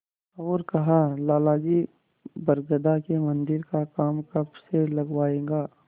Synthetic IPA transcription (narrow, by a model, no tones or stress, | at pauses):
ɔːɾkɐɦalaːlaːd͡ʒi | bɐɾɡəd̪akemɐ̃nd̪ɪɾkakaːmkɐbselɐɡwaːẽːɡaː